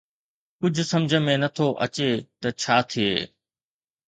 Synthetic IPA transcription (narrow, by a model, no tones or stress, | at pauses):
kʊd͡ʑʱʊ̆sɐmd͡ʑʱəmẽnɐt̪ʰoʔɐ̰t͡ɕet̪ɐt͡ɕʰaːt̪ʰieː